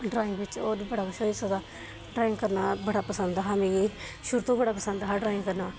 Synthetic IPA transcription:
ɖɾaːɪ̃ŋɡbɪt͡ʃoːbəɽaːkʊʃoːiːsad̪aː | ɖɾaːɪ̃ŋɡkəɾnaːbəɽaːpəsənd̪ɦamẽːeːʃʊɾt̪õːbəɽaːpəsənd̪ɦaːɖɾaːɪ̃ŋɡkəɾnaː

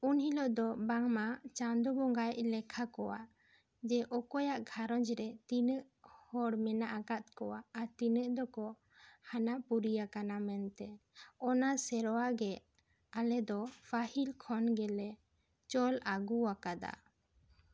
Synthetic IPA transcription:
unhilɔd̪ɔbaŋmat͡ʃand̪ubɔŋɡajlɛkʰakɔwa̰ʔ | d͡ʒɛʔɔkɔjaʔɡʱaɾɔd͡ʒɾɛt̪inəʔ | hɔɽmɛnaʔakat̪̚kɔwaːt̪inəʔd̪ɔkɔ | hanaʔpuɾijakanamɛnt̪ɛɔnasɛɾɔwaɡɛʔ | alɛd̪ɔpʰahilkʰɔnɡɛlɛ | t͡ʃɔlaɡuakad̪a̰

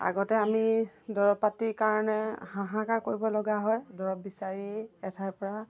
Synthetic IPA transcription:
a̰ɡɔtɛamidɔɹɔpatiɹkaɹɔnɛhãɦãkakoɹibɔlɔɡaɦɔjdɔɹɔp̚bisaɹiɛtʰajpɔɹa

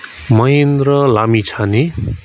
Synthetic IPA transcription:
mʌjend̪rʌlamit͡sʰane

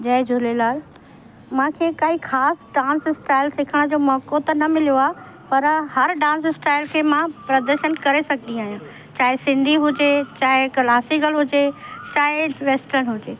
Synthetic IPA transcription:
d͡ʑɐɦɪd͡ʑʱʊlelaːl | mãːkʰeːkaɦikʰaːsɖãːnsɪsʈaːɪlsɪkʰəɽ̃d͡ʑoːmɔːkot̪ɐnɐmɪlijoaːɦ | pɐɾhɐɾɖãːns̬ɪsʈaːɪlkʰeːmãpɾɐd̪əɾʃənkɐɾesɐɡ̚ʱd̪ĩaːɦijũː | t͡ɕaːɦɪsɪ̃nd̪ʱiɦʊd͡ʑet͡ɕaːɦɪkɐlaːsiɡəlɦʊd͡ʑet͡ɕaːɦɪʋeːsʈəɾnɦʊd͡ʑeː

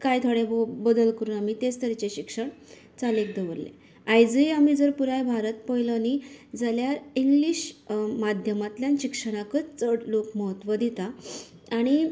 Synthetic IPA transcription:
kajt̪ʰoɽebəd̪əlkəɾuːnam̤it̪est̪əɾt͡ɕeɕikʂəɳ | t͡salek̚d̪əʋəɾlḛ | ajd͡ziam̤id͡zəɾpuɾajbʱaɾət̪̚pəjlənid͡zaljaɾiŋɡliɕmad̪ʱjəmat̪ljanɕikʂəɽ̃akət͡st͡səɽlokməɦət̪ʋəd̪it̪aː | ɽ̃i

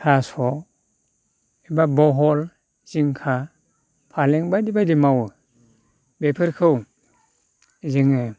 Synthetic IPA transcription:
pʰasɔ | ibabɔɦɔl | z̥iŋkʰa | pʰaleŋbadibadimaw | bepʰɯɾkʰɯw | ziŋɯ

